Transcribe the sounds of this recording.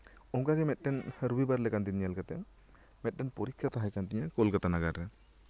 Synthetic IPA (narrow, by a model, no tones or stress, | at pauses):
ɔŋkaɡɛmɛt̪̚ˀɖɛnɾubibaɾlɛkant̪inɲalkat̪ɛaŋ | mɛt̪̚ɖɛnpɔɾikʰːat̪aɦajkant̪iɲakɔlkat̪anaɡaɾːɛ